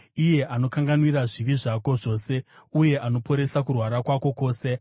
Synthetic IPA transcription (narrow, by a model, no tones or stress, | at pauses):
ije̞ʔano̞kaŋɡanwiraʐiʋiʐako̞ʐo̞ːse̞uje̞ʔano̞po̞ɾe̞sakurwaɾakwako̞ko̞ːse̞